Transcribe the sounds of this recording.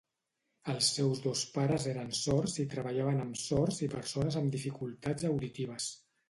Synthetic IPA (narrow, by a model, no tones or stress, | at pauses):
əlˠsːɛwzðospaɾəzeɾənsɔrzit̪ɾəβəʎaβənəmsɔɾzipəɾsonəzəmd̪ifikulˠt̪azəwðit̪iβəs